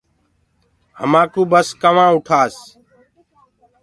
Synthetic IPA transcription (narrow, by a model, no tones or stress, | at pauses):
hə̰mãːkuːbəskəʋãːʊʈʰaːs